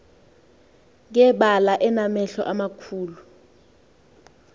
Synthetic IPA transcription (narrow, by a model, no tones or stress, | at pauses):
k̬ɛɓalaʔɛnamɛɬɔ̰ʔamakʰuːlu